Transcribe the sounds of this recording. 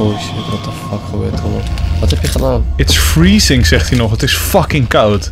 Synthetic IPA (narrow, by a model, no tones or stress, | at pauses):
oisiətʋɔtəfakχəbø̰ːtʰəʋɔtʋɔthɛpjəχədaːnɪtsfɹiːsɪŋsɛχthinɔχətɪsfʌkɪ̃ŋkʰawd